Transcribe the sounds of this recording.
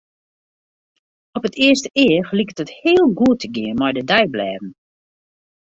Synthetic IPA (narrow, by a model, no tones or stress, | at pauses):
ɔpətʰɪəstəʔɪəflikətəthɪːəlˠɡuətʰəɡɪənmɔjdədɛjblɛːvn̩